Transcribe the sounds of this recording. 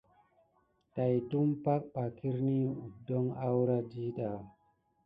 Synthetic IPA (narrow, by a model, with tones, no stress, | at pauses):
ta˨jtu˦mpa˦k̚ɓa˨ki˦ɾni˦u˨do˦ŋa˦wɾa˦di˦ɗa˨